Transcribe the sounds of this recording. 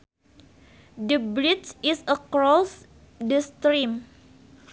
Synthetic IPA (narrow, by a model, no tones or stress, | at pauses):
dəbɾit͡ʃisəkɾɔs | dəst̪ɾim